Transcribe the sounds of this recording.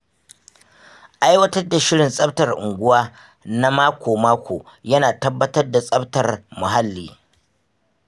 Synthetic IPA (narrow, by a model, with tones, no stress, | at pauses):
ʔa˦jwɐ˦tɐ˦rda˨ʃɪ˦ɽɪ˨nsʼɐ˦btɐ˨rʔʊ̰˨ŋɡʷʊ˦waː˦ | na˦maː˦kʷoː˨maː˦kʷʰoː˨jɐ˦naː˨tɐ˦bːɐ˦tɐ˦rda˨sʼɐ˦btɐ˨rmʊ˨ɦa˦lːḭː˨